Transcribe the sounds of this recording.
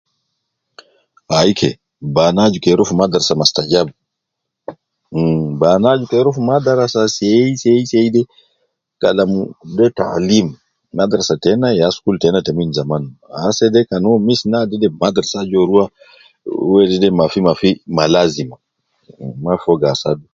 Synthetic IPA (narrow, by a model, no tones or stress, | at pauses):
ajkʰɛ̰ | banad͡ʒukɛɾɔfumadaɾasamastad͡ʒabu | banad͡ʒukɛɾɔfmadaɾasasɛjsɛjsɛjdɛ | ka̰lamudɛta̰limː | adaɾasatɛnaɛaskultɛnatɛmuinzamanasɛdɛkanɔmisnadɛdɛmadaɾsad͡ʒɔɾuwa | wɛdɛdɛmafimafimalazima | mafɔɡasadu